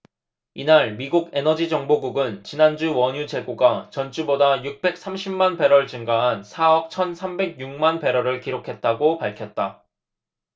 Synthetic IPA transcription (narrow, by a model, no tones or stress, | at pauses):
inaɭmiɡuɡe̞nʌd͡ʑid͡ʑʌŋboɡuɡɯnt͡ɕinand͡ʑuwʌɲud͡ʑe̞ɡoɡat͡ɕʌnt͡ɕ͈ubodajuk̚p͈e̞k̚s͈ʰamɕʰimːanpe̞ɾʌɭt͡ɕɯŋɡaɦansʰaʌp̚t͡ɕʰʌnsʰambe̞ɡ̚juŋ̚manpe̞ɾʌɾɯɭkiɾokʰe̞t̚t͈aɡopaɭkʰjʌt̚t͈a